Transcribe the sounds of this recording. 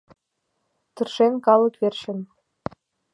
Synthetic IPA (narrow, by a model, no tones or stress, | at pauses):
t̪ɤ̆rʃenkɑlɤ̆kβerʃɘ̆n